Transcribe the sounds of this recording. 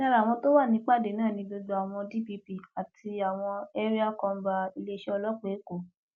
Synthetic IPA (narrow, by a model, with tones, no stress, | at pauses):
ã˦˧ɾa˨w̃ɔ̃˧to˦wa˦˨nĩ˨˦k͡pa˦˨de˨˦nãː˦˨nĩ˧do˧d͡ʒo˧a˨w̃ɔ̃˧di˦bi˧pi˦a˨tʰi˧a˨w̃ɔ̃˧ɛ˦ɾi˦a˦kɔ̃˧m̩˦ba˧i˧le˦i˦ʃɛ˦ɔ˧lɔ˦k͡pe˨˦ko˨